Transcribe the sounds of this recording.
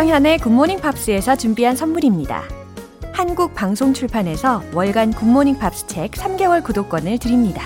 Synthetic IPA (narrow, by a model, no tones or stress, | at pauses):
jʌŋjane̞kumːoɲiŋpʰap̚s͈ɯe̞sʰʌt͡ɕumbiɦansʰʌnmuɾimɲida̰ | hanɡuk̚paŋsʰoŋt͡ɕʰuɭpʰane̞sʰʌwʌɭɡankumːoɲiŋpʰap̚s͈ɯ̥t͡ɕʰe̞k̚sʰamɡe̞wʌɭkudok͈wʌnɯɭtɯɾimɲida